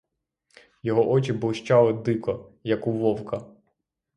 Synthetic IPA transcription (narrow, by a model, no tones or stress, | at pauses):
jɔɦɔʔɔt͡ʃɪblˠʃt͡ʃɑlˠɪd̪ɪkɔjɐkʊʋɔwkɐ